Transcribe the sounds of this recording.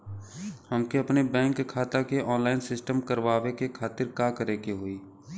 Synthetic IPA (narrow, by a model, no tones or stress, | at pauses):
həmkeɐpnebɛ̃ːŋkkʰːaːt̪akeʔɔːnlaːɪnsɪsʈəmkəɾʋaːʋekekʰaːt̪ɪɾkaːkəɾeːkeɦoːiː